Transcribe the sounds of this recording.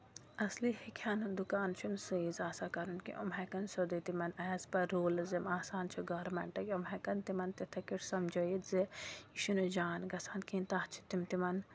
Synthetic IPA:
ɐslihikʰaːnund̪ukaːnt͡ʃʰunsɨizaːsakɐɾunkḭʔo̰mɦɐkɐnsod̪ɐt̪imɐnɐzpɐɾoːlɐzimaːsaːnt͡ʃʰiɡɐːɾmɐɳʈɐkʲomɦɐkɐnt̪imɐnt̪it̪ʰɐkiɾsɐmd͡ʒojit̪ziiʃunud͡ʒaːnɡɐsaːnkiːnt̪aht͡ʃʰi̥t̪imt̪imɐn

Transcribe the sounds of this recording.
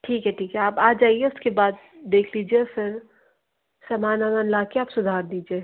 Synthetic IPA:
ʈʰiːkɦɛʈʰiːkɦɛaːpaːd͡ʒaːieʊskebaːd̪̚ | d̪eːkʰliːd͡ʒiefɪɾ | sɐmaːnamanlaːkeaːpsʊd̪ʱaːɾd̪iːd͡ʒie

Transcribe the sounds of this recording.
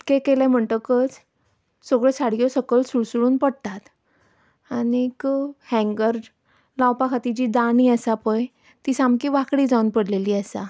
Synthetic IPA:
kekelãm̤əɳt̪əkət͡s | soɡɭesaɽijɔsəkəlsuɽsuɽuːnpəɽt̪at̪ | anikhɛ̃ŋɡəɾ | lawpakʰat̪id͡ʑiːd̪aniːəsapəj | t̪isamkiːʋakɽiːd͡zaunpəɽleliːəsa

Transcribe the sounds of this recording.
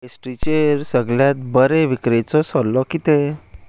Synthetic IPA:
esʈɾit͡ɕeɾsəɡljat̪̚bəɾeʋikɾet͡sɔsɔlːɔkit̪e

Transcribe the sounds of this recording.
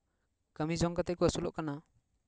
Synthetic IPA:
kamizɔŋkat̪ajkuasulɔʔkana

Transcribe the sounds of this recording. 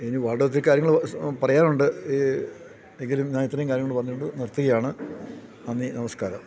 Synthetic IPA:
eniʋaːɭɽɐt̪ːilkːaːɾjɐŋɐɭpɐrɐjaːnuɳɖɨ | e̞ŋɡilumɲaːnit̪ːrɐjumkaːɾjɐŋːɭpɐrɐɲːiʈːuɳɖɨnirt̪ːuɣɐjaːɳɨ | ɐnːinɐmɐskaːɾɐm

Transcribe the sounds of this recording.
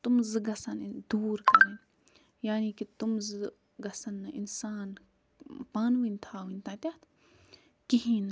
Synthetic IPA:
t̪umzɨɡɐsɐnd̪uːɾkɐɾeːn | jaːniːkit̪umzɨ | ɡɐsɐnːɐʔinsaːn | paːnʋinʲt̪ʰaːʋinʲt̪ãːt̪ʲat̪ʰ | kiɦĩnɐ

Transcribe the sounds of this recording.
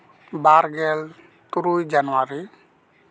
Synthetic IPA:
baɾɡɛl | t̪uɾujd͡ʒanwaɾi

